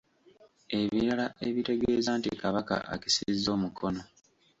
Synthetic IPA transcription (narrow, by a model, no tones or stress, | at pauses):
e̞βiɾalaʔe̞βite̞ɡe̞ːzaːntikaβaka̰ʔa̰ki̥sizːo̞ːmukʰo̞no̞